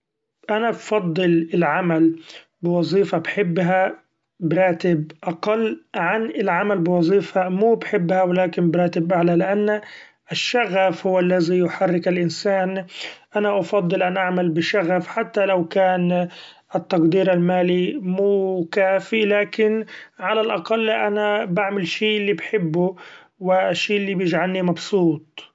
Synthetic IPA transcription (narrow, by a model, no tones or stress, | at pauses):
ʔanabfɑd̪ˤːɨlɪlʕamal | bɪwɑzˤiːfabħɪbːɦa | bɾˤɑːt̪ɪbʔɑqɑlːʕanɪlʕamalbɪwɑzˤiːfamuːbħɪbːhawɪlaːkɪnbɾˤaːt̪ɪbʔaʕlalɪʔanː | ʔʃːaɣafhʊwːalːazijʊħarːɪkalʔɪnsaːnʔanaʔɑfɑd̪ˤːɨlʔanʔaʕmalbɪʃaɣafħat̪ːalawkaːn | ʔɪt̪ːɑqd̪iːɾalmaːlimuːkaːfilaːkɪnʕalalʔɑqɑlːʔanabaʕmɪlʃiːʔɪlːibħɪbːʊ | wɪʃːiːʔɪlːibjɪd͡ʒʕalnimɑbsˤuːt̪̚ˤ